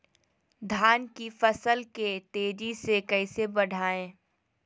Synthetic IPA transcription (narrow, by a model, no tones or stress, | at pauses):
d̪ʱaːnkifɐsəlket̪eːd͡ʒisekɐɪsebɐɽ̤ʱaːẽː